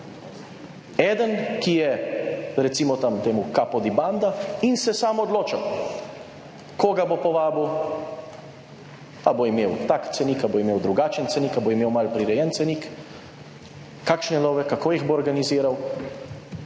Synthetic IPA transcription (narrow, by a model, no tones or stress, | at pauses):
ɛːd̪ənkijɛɾɛt̪simɔt̪amt̪eːmukapɔd̪iband̪ainsɛsaːmɔd̪loːt͡ʃa | koːɡabopɔʋaːbuw | aboimeːwt̪akt̪sɛnikaboimeːwd̪ɾuɡaːt͡ʃənt̪sɛnikaboimeːwmalpɾiɾɛjɛnt̪sɛnik | kaːkʃnɛnɔːʋɛkakoːjiɣboɔɾɡaniziːɾaw